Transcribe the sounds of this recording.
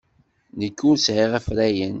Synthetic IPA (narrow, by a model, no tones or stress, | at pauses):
nəkːʊɾsʕiʁæfɾæjən